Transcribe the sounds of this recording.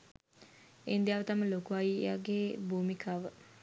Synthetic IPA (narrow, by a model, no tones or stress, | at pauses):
ḛnd̪ijaʋət̪aməlokuʋaia̰ɡeːbʱuːmikʰaːʋə